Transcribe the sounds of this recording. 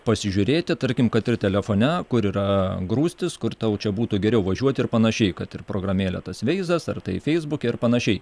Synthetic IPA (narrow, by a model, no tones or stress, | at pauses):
pɐsʲɪʒʲʊɾʲeːt̪ʲɪt̪ɐɾʲkʲɪmkɐt̪ɪɾt̪ʲɛlʲɛfoːnʲɛkʊɾiːɾɐɡɾuːsʲt̪ʲɪskʊrt̪ɐʊt͡ʃʲɛbuːt̪uɡʲɛɾʲɛʊʋɐʒʲuɔt̪ʲɪrpɐnɐʃʲɛɪkɐt̪ɪrpɾoːɡɾɐmʲeːlʲɛ̰t̪ɐsʋʲɛɪzɐsɐ̰rt̪ɐɪfʲɛɪzbʊkʲɛɪrpɐnɐʃʲɛɪ